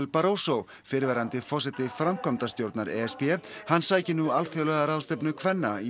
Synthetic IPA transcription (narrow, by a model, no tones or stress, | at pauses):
lpaɾowsow | fɪɾvɛːɾant̪ɪfɔs̬ɛt̪ɪfɾamkʰɔmt̪ast̪jowɾt̪naɾɛɛspjɛhanːsaːɛcɪnualfjœlœɣðaɾawst̪ɛpnʏkʰvɛnːai